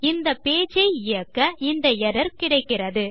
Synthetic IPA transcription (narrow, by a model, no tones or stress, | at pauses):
ɪnd̪ɐpːeːt͡ʃɐɪɪjɐkːɐɪnd̪ɐɛɾɐɾkɪɽɐɪkːɪrɐðɯ